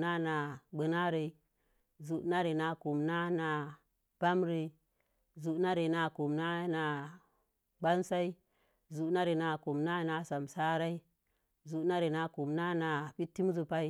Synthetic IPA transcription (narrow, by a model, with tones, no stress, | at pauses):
na˦na˨ɡ͡bə˨na˦ɾe˨ | zu˨ʔna˦ɾe˨na˨ku˨mna˦na˨ | b̥a˦mɾi˨ | zu˨˦na˦ɾe˨na˨ku˨mna˦na˨ | ɡ͡ba˦nsa˦i˦ | zu˨na˦ɾe˨na˨ku˨mna˦na˨sa˨msa˦ɾa˦i˦ | zu˨˦na˦ɾe˨na˨ku˨mna˦na˨pi˦tːi˦m˦zu˨pa˦i˦